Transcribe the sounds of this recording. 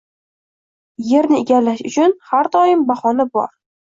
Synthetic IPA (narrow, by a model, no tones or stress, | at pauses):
je̞ɾnɪeɡʲalːaʃʊ̰t͡ʃʰʊnhaɾd̪ɒjɪmbaχɒnabɒ̰ɾ